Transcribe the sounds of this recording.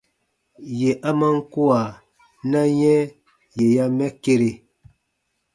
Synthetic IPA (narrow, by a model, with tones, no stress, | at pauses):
je˨ʔa˦ma˦ŋ̩˦ku˦a˨ | na˦jɛ˦ | je˨ja˦mɛ˦ke˦ɾe˦˨